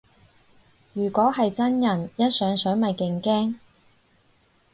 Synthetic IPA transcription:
jyː˨˩kʷɔː˨˥hɐ˨jt͡sɐ˥njɐ˨˩njɐ˥t̚sœː˨˥ŋsœː˨˥ŋmɐ˨˩jkɪ˨ŋkɛː˥ŋ

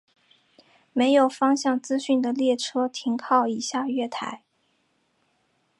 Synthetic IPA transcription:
me˧˥ɪjo˨˩ʊfɑ˥ŋɕjɑ˥˩ŋt͡sɹ̩˥ɕy˥˩nd̪ə˩ljɛ˥˩ʈ͡ʂʰɤ˥t̪ʰi˧˥ŋkʰɑ˥˩ʊi˨˩ɕja˥˧ɥɛ˥˩t̪ʰa̰˧˥ɪ

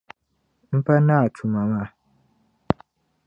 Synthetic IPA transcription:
m̩˦pa˦na˦˨t͡ʃʰu˨ma˨ma˦˨

